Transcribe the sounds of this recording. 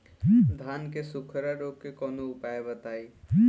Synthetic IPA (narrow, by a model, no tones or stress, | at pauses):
d̪ʱaːnkesʊkʰɾaɖoːkːekɔːnoʊpaːebət̪aːiː